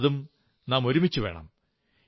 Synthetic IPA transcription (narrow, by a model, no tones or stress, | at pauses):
ðum | naːmo̞ɾumit͡ɕːuʋe̞ːɳɐ̰m